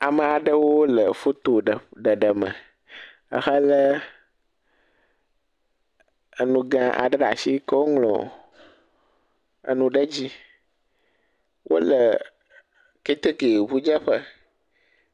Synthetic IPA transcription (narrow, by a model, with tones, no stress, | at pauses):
a˨mə̃˨a˨ɖə˦wo˦lə˨fo˦t̪o˨ɖə˨ɖə˨ɖə˨mə̰̃˨ | ə̰˨xə˦lə˦ | ə˨nũ˨ɡã˦ʔa̰˨ɖə˦ɖa̰˨si˦kə˦wo˦ŋlɔ̰̃˨ | ə̰˨nũ˨ɖə˦d͡ʑi˦ | wʔo̰˦lə˨ | ke˦t̪e˦ke˨vu˦d͡ʒə˦ɸə˦